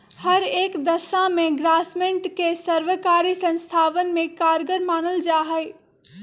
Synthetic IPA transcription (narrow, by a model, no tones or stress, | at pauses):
hɐɾeːkd̪ɐsãmẽɡɾaːsmẽɳʈkesɐɾʋəkaːɾisɐ̃nst̪ʰaːʋən̆mẽkaːɾɡəɾmaːnəld͡ʒaːɦɛe